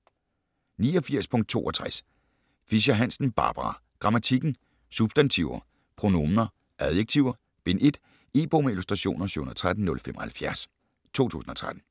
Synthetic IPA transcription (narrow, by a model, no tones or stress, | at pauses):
niːɒ̽fiɐ̰spʰɔ̽ŋ̰d̥̚t͡sʰo̝̰ːʔɒt͡sʰʁas | fiɕɐɦæn̰sn̩b̥ɑ̰̈ːb̥ʁɑ̈ɡ̥ʁɑ̈mæt͡sʰiɡ̥n̩ | sub̥sd̥ænt͡sʰiʊɐ | pʰʁo̝no̝mɐ | ʔæðˠjeɡ̚t͡sʰiʊ̰ɐ | b̥e̝ne̝d̥ | e̝ːb̥omilusd̥ʁɑɕo̝̰ːnɐsyhunðˠt͡sʰʁad̥n̩nːɔ̽lfemɒhælfjæɐs | t͡sʰo̝̰ːt͡sʰṵːsn̩ɒ̽t͡sʰʁad̥n̩